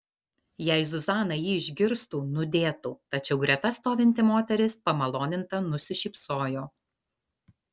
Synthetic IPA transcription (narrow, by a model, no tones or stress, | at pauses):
jɛɪzʊzɑːnɐjiːɪʒʲɡʲɪɾst̪uːnʊd̪ʲeːt̪uːt̪ɐt͡ʃʲɛʊɡɾʲɛt̪ɐst̪oːʋʲɪnʲt̪ʲɪmoːt̪ʲɛɾʲɪspɐmɐlˠoːnʲɪnt̪ɐnʊsʲɪʃʲiːpsoːjoː